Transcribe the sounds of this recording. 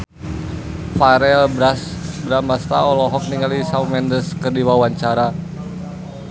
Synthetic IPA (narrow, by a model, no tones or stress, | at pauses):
faɾɛlbasbɾamast̪a̰ɔlɔɦɔk̚niŋalisawmɛndəskərdiwawaɲt͡ʃaɾa